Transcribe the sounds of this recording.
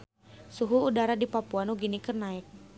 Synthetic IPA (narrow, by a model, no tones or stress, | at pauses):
suɦuːdaɾadipapuanuɡinikɨrnaɛk̚